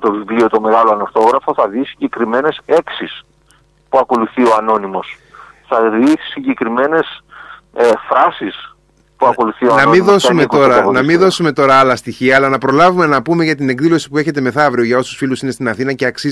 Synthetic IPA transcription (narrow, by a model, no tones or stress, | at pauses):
t̪o̞vivlio̞t̪o̞me̞ɣɐloɐnoɾθo̞ɣɾɐfo̞θɐðisi̥ɲɟe̞kɾime̞ne̞seksis | puɐko̞luθio̞ɐno̞nimo̞s | θɐðisiɲɟe̞kɾime̞ne̞s | fɾɐsis | puɐko̞luθioɐnɐmiðo̞suumek̪oɾɐnɐmiðo̞sume̞t̪o̞ɾɐɐlɐst̪içiɐːlɐnɐpɾo̞lɐvume̞nɐpume̞ʝɐt̪ine̞ɡðilo̞si̥pue̞çe̞t̪e̞me̞θɐvɾio̞ʝɐo̞susfilusine̞st̪inɐθinɐce̞ɐksi